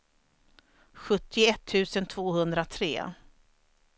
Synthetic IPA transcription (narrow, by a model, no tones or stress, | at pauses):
ɧɵt̪ʰːɪɛt̪ʰːʉ̟ːsənt̪ʰvoːhɵnd̪ɾat̪ʰɾḛː